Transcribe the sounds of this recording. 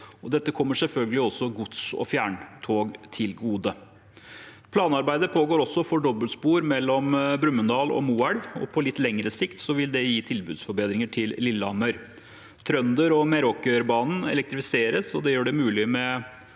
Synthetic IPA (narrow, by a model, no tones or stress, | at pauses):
ɔd̪ɛt̪ːəkʰɔmːəʂɛlfœlɡəlɪɔsːɔɡʊt̪sɔ̰fjæːɳt̪ʰoːɡt̪ʰɪlɡuːd̪ə | pʰlɑːnɑɾbæɪd̪əpʰoːɡoːɾɔsːɔfɔɖɔbːəlspuːɾmɛlːɔmbɾʉmːənd̪ɑːlɔ̰muːæɽʋɔ̰pʰɔlɪt̪ːlɛŋɾəsɪkt̪sɔʋɪld̪ɛjiːt̪ʰɪlbʉːd̪sfɔɾbeːd̪ɾɪŋəʈʰɪlːɪlːɑmœʏɾ | t̪ʰɾœnd̪əɾɔmɛɾɔkːəɾbɑːnn̩ɛ̰lɛk̚t̪ɾɪfɪseːɾəsɔd̪ɛjøːɖɛmʉːlɪmɛ